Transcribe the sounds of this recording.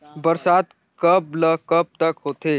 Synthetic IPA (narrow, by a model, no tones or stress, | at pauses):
bəɾsat̪ | kəpləkəp̚t̪əkɦoːt̪e